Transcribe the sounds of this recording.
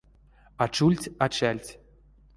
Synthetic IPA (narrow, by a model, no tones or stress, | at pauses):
at͡ɕulʲtʲat͡ɕælʲtʲ